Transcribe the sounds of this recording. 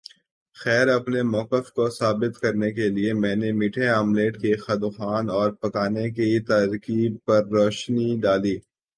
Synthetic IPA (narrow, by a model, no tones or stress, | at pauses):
xɛːɾɐpnemɔːkəfkosaːbɪt̪kɐɾnekeliemɛ̃ːnemiʈʰeaːmleːʈkexɐd̪uxaːnɔːɾpɐkaːnekit̪ɐːɾkib̚pɐɾːɔːʃniɖaːliː